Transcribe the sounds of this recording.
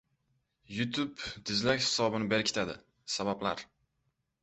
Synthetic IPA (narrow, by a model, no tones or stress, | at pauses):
jʊt̪ʰʊbd̪̥ɪzlakʲhɪ̥sɒbɪnɪbeɾkʰʲɪ̥t̪ʰad̪ɪ̰ | sababla̰ɾ